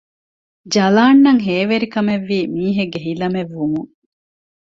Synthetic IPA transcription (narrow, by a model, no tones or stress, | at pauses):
d͡ʒɐlaːnːɐŋɦeːʋeɾikɐmeʋːiːmiːɦeɡːeɦilɐmeʋːumuŋ